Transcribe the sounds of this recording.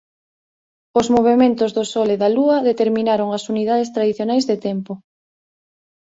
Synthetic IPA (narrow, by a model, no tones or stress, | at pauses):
ʊzmoβemẽnt̪ozðʊsɔleðaluɐðet̪eɾmĩnaɾoŋɐsuniðað̞est̪ɾaðiθjonajzðet̪ɛmpo